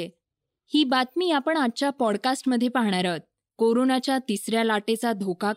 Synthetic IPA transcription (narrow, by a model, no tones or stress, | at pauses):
e | hiːbat̪miːapəɳat̚ːt͡ɕjapɔɽkasʈməd̪ʱːjepaɦɳ̃aɾat̪̚ | koɾonat͡ɕjat̪isɾjalaʈet͡sad̪ʱoka